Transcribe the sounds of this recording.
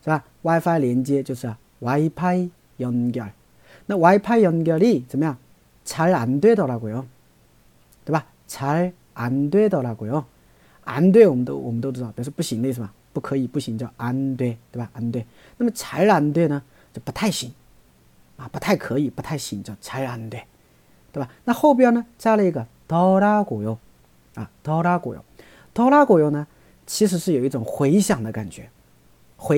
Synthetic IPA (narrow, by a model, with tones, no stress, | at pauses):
t͡ɕɯ˧ba˧ | wa˧jpʰa˦iɾe˨nd͡ʑi˧et͡ɕosʰɯa˨ | wa˨ipʰai | jʌ˧nɡjʌ˨ɭ | nɯwa˧ipʰa˦ijʌ˧nɡjʌɾit͡ɕɯ˨mja˨ | t͡ɕa˨ɭa˨ndwe˦dʌ˨ɾaɡo˨jo | te˨ba˧ | t͡ɕʰa˨ɭ | a˨ndwe˦dʌ˨ɾaɡo˨jo | a̰˨ndwe˦o˨mdo̰o˨mdo˦du˨dʌ˨pje˨sʰopu˦ɕi˨nnɯ˦s̬ʰɯ˨ma˨ | pɯkʰɯ˨˧i˧pu˦ɕi˨nd͡ʑo˨a˨nt̪we˥˧ɪt̪we˥˩ba˨˩ʔa˧˥nt̪we˥˩ɪ | na˥˩mə˩t͡sʰa˧˥ɪla˧˥nt̪we˥˧ɪnə˩ | t͡ɕjo˥˩ʊpu˧˦t̪ʰa˥˩ɪɕi˨˧˥ŋ | ɐ˨˩pu˧˥t̪ʰa˥˩ɪkʰɤ˧˦˥i˨˩pu˧˥t̪ʰa˥˩ɪɕi˧˩ŋt͡ɕjɑ˥˩ʊt͡sʰa˧˥ɪla˧˥nt̪we˥˩ | t̪we˥˧˩ba˨˩na˥˧xo˥˩ʊpjɛ˥˩nə˧t͡ɕja˥˧lə˨i˧˥ɡə˧ | t̪ɔ˥ʊla˥kwɔ˨˩jo˧˥ʊ | a˥˨˩t̪ɔ˧˥ʊla˥kwɔ˨˩jo̰˧˥ | t̪ɔ˥ʊla˥kwɔ˨˩jo˧˥ʊnə˧ | t͡ɕʰi˧˥ʂ̬ɻ̩˧˥ʂɻ̩˥˩jo˨˩ʊi˥˩ʈ͡ʂʊ˨˩ŋxwe˧˥ɪɕjɑ˨˩ŋd̪ə˦ka̰˨˩nt͡ɕɥɛ̰˧˥ | xwe˧˥